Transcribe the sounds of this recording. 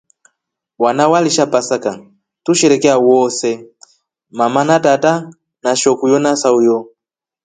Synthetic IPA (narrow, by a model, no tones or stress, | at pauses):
wanawaliʃapasaka | tuʃɛɾɛkɛawɔsɛ | mamanatata | naʃɔkujɔnasaujɔ